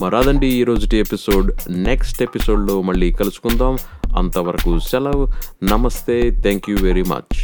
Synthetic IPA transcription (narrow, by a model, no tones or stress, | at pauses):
mɐɾaːd̪ɐɳɖiːɾo̞ːd͡ʒuʈiepiso̞ːɖneksʈepiso̞ːɖlo̞ːmɐɭːiːkɐlusu̥kund̪aːmɐ̰nt̪ɐʋɐɾɐkut͡ʃɛlɐʋnɐmɐst̪eːt̪ʰɛːŋkjuʋeɾimɐ̰t͡ʃ